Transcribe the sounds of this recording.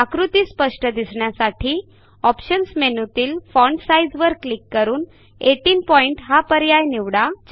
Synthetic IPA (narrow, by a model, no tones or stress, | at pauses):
akɾut̪iːspəʂʈəd̪isɳjasaʈʰiː | ɔpɕənsmenut̪iːlfɔɳɖsajd͡zʋəɾklikːəɾuːn | eʈiːnpɔiɳʈɦapəɾjajniʋɽat͡ɕ